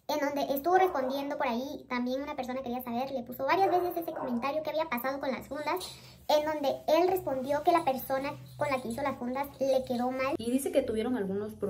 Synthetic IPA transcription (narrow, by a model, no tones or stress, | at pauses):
e̞nd̪o̞nd̪e̞ʔest̪uβo̞re̞spo̞nd̪je̞nd̪opo̞ɾait̪ambje̞nunape̞ɾso̞nakeɾiasaβ̞e̞ɾle̞puso̞βaɾjazβe̞se̞sese̞ko̞ment̪aɾjo̞keaβiapasað̞o̞ko̞nla̰sfund̪as | e̞nd̪o̞nd̪e̞e̞lre̞spo̞nd̪jo̞ke̞lape̞ɾso̞na | ko̞nlake̞iso̞lasfund̪asle̞ke̞ðo̞maliðise̞ket̪uβjeɾo̞nŋalɣunosp